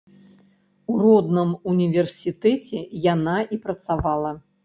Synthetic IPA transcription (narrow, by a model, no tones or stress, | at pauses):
urɔd̪nɨmunʲivʲɛrsʲit̪ɛt͡sʲɛjanaʔipɾɐt̪savalˠɐ